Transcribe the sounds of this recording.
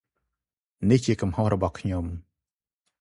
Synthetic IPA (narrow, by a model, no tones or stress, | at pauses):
niht͡ɕiəkumhohrɔɓɑhkʰɲom